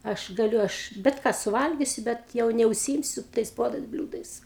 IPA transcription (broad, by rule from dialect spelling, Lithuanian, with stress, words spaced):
ˈɐʃ ɡɐˈlʲʊ ˈɐʃ bʲɛt ˈkɑː sʊˈʋɐlʲɡʲɪsʲʊ ˈbʲɛt jɛʊ nʲɛʊʃʲsʲiːˈɪmʲsʲʊ tɐɪs ˈpuɔdɐɪs ˈbʲlʲuːdɐɪs